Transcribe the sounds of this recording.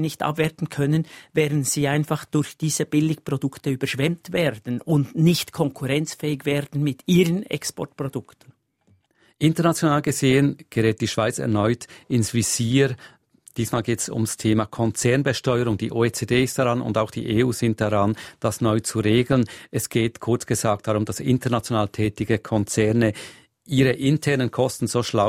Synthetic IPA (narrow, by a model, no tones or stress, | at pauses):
nɪçtʔa̰pv̥ɛɐtn̩kʰœnənvɛːdn̩z̥iːaɪnfaχd̥ʊɾçd̥iːz̥əb̥ɪlɪkpʁ̥odʊktəyːbɐʃv̥ɛmtv̥ɛːɾdn̩ʊndnɪçtkʰɔŋkʰʊʁɛnt͡sfɛːɪɡvɛːɾdn̩mɪtiːʁənɛ̰kspɔ̰ɹt̚pʁ̥od̥ʊktn̩ | ʔɪntəɐnat͡sjonaːlɡəzeːənɡ̥əʁɛːt̚d̥iːʃv̥aɪt͡sɛ̰ɐnɔʏtɪnsv̥iz̥iːɾ | d̥iːsmaːlɡeːtsʊ̰mstʰeːmakʰɔnt͡sɛɐnbəʃtɔʏəɾʊŋd̥ḭːʔoːet͡seːdeːɪst̚d̥aʁanʊ̰ndaʊxd̥ḭːʔeːuːz̥ɪnt̚d̥aʁand̥asnɔʏt͡suʁeːɡlənɛsɡ̥eːtkʰʊɐt͡sɡ̥əzaːk̚t̚d̥aʁʊmd̥asɪ̰ntəɐʁnat͡sjonaːltʰɛːtɪɡəkʰɔnt͡sɛɐnə | ʔiːɾəʔɪntʰɛʁnənkʰɔstn̩z̥oːʃla